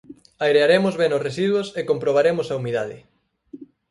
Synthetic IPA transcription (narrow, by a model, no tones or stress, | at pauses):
ajɾeaɾemozβenosresiðwosekompɾoβ̞aɾemoʊsaumiðaðɪ̰